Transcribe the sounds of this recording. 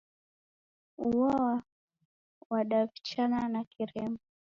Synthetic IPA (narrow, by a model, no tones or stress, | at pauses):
uwawa | waɗavit͡ʃananakiɾɛmbɔ